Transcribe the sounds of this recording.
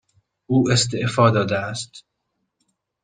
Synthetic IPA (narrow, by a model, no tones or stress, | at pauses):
ʔuːest̪eʔfɒːd̪ɒːd̪eæst̪